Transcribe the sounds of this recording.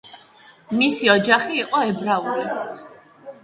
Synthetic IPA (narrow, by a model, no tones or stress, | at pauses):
misiɔd͡ʒaχiːqʼɔɛbɾauɾi